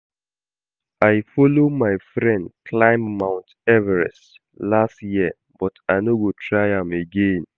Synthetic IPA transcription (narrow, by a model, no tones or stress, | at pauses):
aɪfɔlomaɪfɹɛ̃ndkʰlãɪ̃mːãʊ̃nt | ɛvɛɹɛ̰s | lastjiə | b̥ɔtaɪnoɡotʰɹaɪãmeɡẽn